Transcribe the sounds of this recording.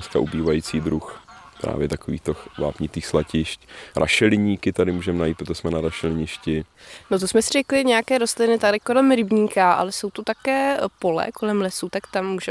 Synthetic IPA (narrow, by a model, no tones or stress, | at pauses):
skaʔubiːvajiːt͡siːd̪ɾuxpɾa̰ːvjɛt̪akovḭːxt̪oxva̰ːpɲɪt̪iːxslacɪʃcɾʔa̰ʃɛlɪɲiːkɪt̪adɪmuːʒɛmɛnajit̪pɾot̪ʒɛsmɛnaɾaʃɛlɪɲɪʃcɪ | not̪osmɛsɪr̝ɛklɪɲɛjakɛːɾost̪lɪnɪt̪adɪkolɛmɾɪbɲiːkaʔa̰lɛso̞wt̪ot̪akɛːpolɛ̰ko̞lɛmlɛsut̪akt̪amːuːʒɛ